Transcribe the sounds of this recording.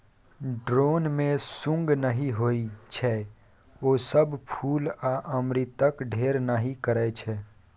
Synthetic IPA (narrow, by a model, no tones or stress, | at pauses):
ɖɾoːnmẽsʊ̃ŋɡnəɦiɦoːit͡ʃʰɛ | oːsəbpʰuːlaʔəmɾit̪əkɖʱeːɾnaɦikəɾɛt͡ʃʰɛː